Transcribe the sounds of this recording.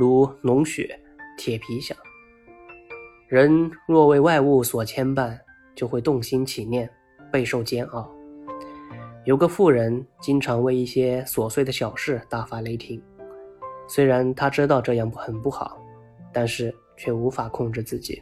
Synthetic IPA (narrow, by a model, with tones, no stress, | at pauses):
ɻu˧˥nʊ˧˥ŋɕɥɛ̰˨˩˦ | t̪ʰjɛ˨˩pʰi˧˥ɕjɑ̰˥˩˦ŋ | ɻə˧˥nɻwɔ˥˧we˥˧ɪwa˥˧ɪu˥˩swɔ˨˩t͡ɕʰjɛ˥npa˥˩n | t͡ɕjo˥˧ʊxwe˥˧ɪt̪ʊ˥˩ŋɕi˥nt͡ɕʰi˨˩njɛ˥˩n | pe˥˧ɪʂo˥˩ʊt͡ɕjɛ˥nɑ˥˩ʊ | jo˨˧˩ʊɡə˧fu˥˩ɻə˧˥nt͡ɕi˥ŋʈ͡ʂʰɑ˧˥ŋwe˥˧ɪi˥˩ɕjɛ˥swɔ˨˩swe˥˩d̪ə˩ɕjɑ˨˩ʊʂɻ̩˥˧t̪a˥˩fa˧˥le˧˥ɪt̪ʰi˧˥ŋ | swe˥ɪɻa˧˥nt̪ʰa˥ʈ͡ʂɻ̩˥t̪̬ɑ˥˧ʊʈ͡ʂɤ˥˧jɑ˥˩ŋpxə˨˩npu˥˩xɑ˨˩˦ʊ | t̪a˥˧nʂɻ̩˥˧ | t͡ɕʰɥɛ˥˩u˧˥fa˨˩kʰʊ˥˧ŋʈ͡ʂɻ̩˥˧t͡sɹ̩˥˩t͡ɕḭ˨˩˦